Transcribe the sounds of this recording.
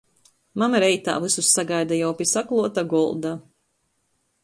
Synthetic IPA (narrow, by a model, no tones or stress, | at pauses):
mamɾɛjt̪a̰ːvɨsusːaɡajd̪ajawpʲisaklˠuɔt̪aɡɔlˠd̪a